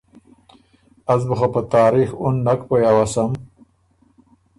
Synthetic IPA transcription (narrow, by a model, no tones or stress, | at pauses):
azbuxapat̪ɑːɾixunːakpojawasam